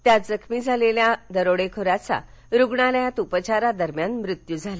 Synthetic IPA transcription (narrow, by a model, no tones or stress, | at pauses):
t̪jad͡zəkʰmiːd͡zʱaleljad̪əɾoɽekʰoɾat͡sa̰ | ɾuɡɳaljãt̪upət͡ɕaɾad̪əɾmjanmɾit̪jud͡zʱala